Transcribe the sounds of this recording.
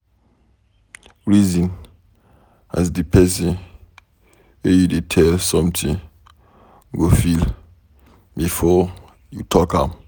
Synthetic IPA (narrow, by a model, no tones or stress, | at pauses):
ɹizĩn | a̰zdipʰɛs̬ĩn | wejudetʰɛlsɔ̃mtʰĩ | ɡofil | bifɔ | jutʰɔkam